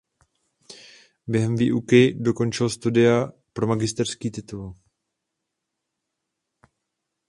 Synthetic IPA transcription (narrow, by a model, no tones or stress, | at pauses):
bjɛɦɛmviːʔukɪdo̞ko̞nt͡ʃɪlst̪udɪapɾo̞maɡɪst̪ɛr̥skiːt̪ɪt̪ul